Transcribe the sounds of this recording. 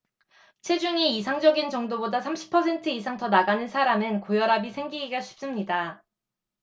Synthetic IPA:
t͡ɕʰwed͡ʑuŋiis̬ʰaŋd͡ʑʌɡint͡ɕʌŋdobodasʰamɕʰi̥pʰʌsʰe̞ntʰɯisʰaŋtʌnaɡanɯnsʰaɾamɯnkojʌɾabisʰe̞ŋɡiɡiɡaɕʰi̥p̚s͈ɯmɲida

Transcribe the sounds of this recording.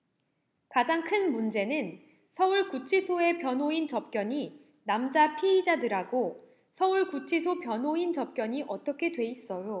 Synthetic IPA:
kad͡ʑaŋkʰɯnmund͡ʑe̞nɯn | sʰʌuɭkut͡ɕʰisʰoe̞pjʌnɦoint͡ɕʌp̚k͈jʌɲi | namd͡ʑapʰiid͡ʑadɯɾaɡo | sʰʌuɭkut͡ɕʰisʰopjʌnɦoint͡ɕʌp̚k͈jʌɲiʔʌt͈ʌkʰe̞dwe̞is͈ʌjo

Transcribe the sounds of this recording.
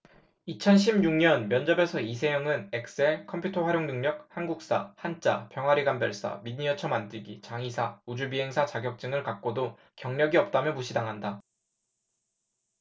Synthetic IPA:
it͡ɕʰʌnɕ̬ʰibɲuŋɲʌnmjʌnd͡ʑʌbe̞sʰʌis̬ʰe̞jʌŋɯnek̚s͈ɯe̞kʰʌmpʰjutʰʌɸwaɾjoŋnɯŋɲʌk̚hanɡuk̚s͈ahant͡ɕ͈apjʌŋwaɾiɡambjʌɭs͈a̰miɲiʌt͡ɕʰʌmandiɡit͡ɕaŋisʰaud͡ʑubiɦe̞ŋsʰat͡ɕaɡjʌk̚t͡ɕ͈ɯŋɯɭkak̚k͈odo | kjʌŋɲʌɡiʌp̚t͈amjʌmuɕʰidaŋɦanda

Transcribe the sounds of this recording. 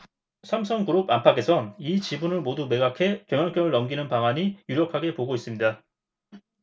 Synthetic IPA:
sʰamsʰʌŋkuɾobampʰakʰe̞sʰʌnit͡ɕibunɯɭmodume̞ɡakʰe̞keŋʌnk͈jʌŋɯɭːʌmɡinɯnpaŋwaɲijuɾjʌkʰaɡe̞poɡois͈ɯmɲida

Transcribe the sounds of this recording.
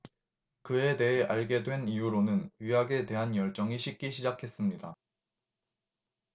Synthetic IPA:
kɯe̞de̞ɦeʔaɭɡe̞dwe̞nijuɾonɯnɥiɦaɡe̞te̞ɦanjʌɭt͡ɕ͈ʌŋiɕʰik͈̚iɕʰid͡ʑakʰe̞s͈ɯmɲida

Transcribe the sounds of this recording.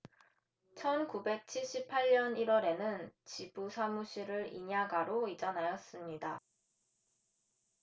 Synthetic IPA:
t͡ɕʰʌnkube̞k̚t͡ɕʰiɭɕ͈ipʰːaɭɲʌniɾwʌɾe̞nɯnt͡ɕibusʰamuɕʰiɾɯɾḭɲaɡaɾoid͡ʑʌnajʌs͈ɯmɲida

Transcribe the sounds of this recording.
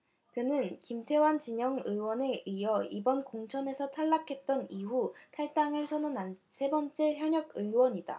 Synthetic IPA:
kɯnɯnkimtʰe̞want͡ɕiɲʌŋɯwʌne̞ʔijʌibʌnkoŋt͡ɕʰʌne̞sʰʌtʰaɭːakʰe̞t̚t͈ʌniɦutʰaɭt͈aŋɯɭsʰʌnʌnansʰe̞bʌnt͡ɕ͈e̞çjʌɲʌɡɯwʌɲid̥a̰

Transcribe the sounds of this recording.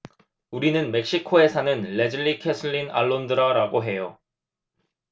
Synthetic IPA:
uɾinɯnme̞k̚ɕ͈ikʰoe̞sʰanɯnle̞d͡ʑɯɭːikʰesʰɯɭːina̰ɭːondɯɾaɾaɡoɦe̞jo

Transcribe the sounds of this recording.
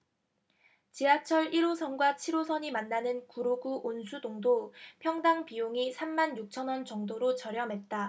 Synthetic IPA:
t͡ɕiat͡ɕʰʌɾiɾosʰʌnɡwat͡ɕʰiɾosʰʌɲimanːanɯnkuɾoɡuʔonsʰudoŋdopʰjʌŋdaŋpijoŋisʰamːanjuk̚t͡ɕʰʌnwʌnt͡ɕʌŋdoɾot͡ɕʌɾjʌmɦe̞t̚t͈a

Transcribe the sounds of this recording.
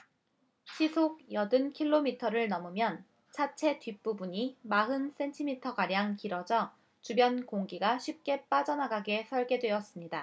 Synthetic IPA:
ɕʰisʰoɡ̚jʌdɯnkʰiɭːomitʰʌɾɯɭnʌmumjʌn | t͡ɕʰat͡ɕʰe̞tɥip͈ubuɲimaɦɯns͈e̞ntʰimitʰʌɡaɾjaŋkiɾʌd͡ʑʌ | t͡ɕubjʌnkoŋɡiɡaɕʰip̚k͈e̞p͈ad͡ʑʌnaɡaɡe̞sʰʌɭɡe̞dwe̞ʌs͈ɯmɲida

